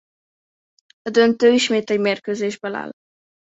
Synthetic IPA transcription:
ɒd̪ønt̪øːiʃmeːt̪ɛɟmeːrkøːzeːʒbɛla̰ːl

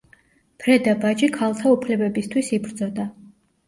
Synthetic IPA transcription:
pʰɾɛd̪abad͡ʒikʰalˠt̪ʰaupʰlɛbɛbist̪ʰwisibɾd̪zɔd̪a

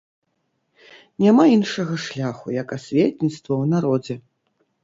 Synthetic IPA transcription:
nʲamainʂɐɣɐʂlʲaxujɐkasʲvʲetʲnʲit̪st̪vɐwnaɾɔd͡zʲɛ

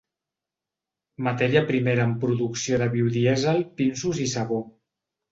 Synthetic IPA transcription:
mat̪ɛɾiəpɾimeɾaːmpɾuðuksioðəβiwðiɛzalpinsuzisaβo

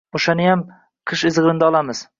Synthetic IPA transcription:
oʃanɪjam | qʰɨʃɪzʁɾɪnd̪aɒlˠamɪz̥

